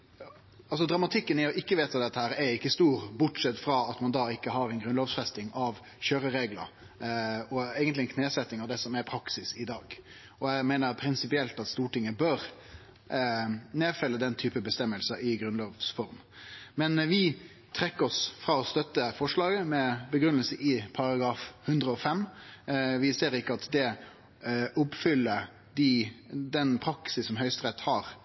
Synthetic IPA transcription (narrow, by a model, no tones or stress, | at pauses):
ɑls̬ɔd̪ɾɑmɑt̪ʰɪkːənɪɔʔɪkːəʋeːt̪ɑd̪ɛt̪ːəhæːɾɛɾɪkːəst̪uːɾbʊʈʂɛt̪fɾɑːɑt̪mɑnd̪ɑɪkːəɦɑɾɛnɡɾʉnloːʋsfɛst̪ɪŋɑʋ | çøːɾəɾeːɡlə̰ɾ | ɔæːɡənt̪lɪɛnkʰneːsɛt̪ːɪŋɑʋd̪ɛsɔmæɾpʰɾɑksɪsɪd̪ɑːɡ | ɔæɡmeɪnəɾpʰɾɪnsɪpɪɛlt̪ɑt̪st̪uːʈɪŋːəbøɾ | neːfɛlːəd̪ɛnt̪ʰyːpəbəst̪ɛmːəlsəʔɪɡɾʉnloːʋsfɔɾm | mɛnʋɪ | t̪ʰɾɛkːəɾɔsfɾɑːɔst̪œt̪ːəfɔʂlɑːɡəmɛbəɡɾʉnːəlsəʔɪpʰɑɾɑɡɾɑːfhʉnd̪ɾəɔfɛmː | ʋɪseːɾɪkːəɑt̪d̪ɛ | ʊpfʏlːə | d̪ɪd̪ɛnpʰɾɑksɪsːɔmɦœʏst̪ɾɛt̪ːhɑːɾ